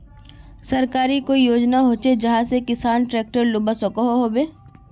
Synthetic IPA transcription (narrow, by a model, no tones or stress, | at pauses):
sɐɾkaːɾikoijoːd͡ʒnaɦoːt͡ʃed͡ʒɐɦãsekɪsaːnʈɾɛːk̚ʈəɾlʊbəsokoɦoɦoːbeː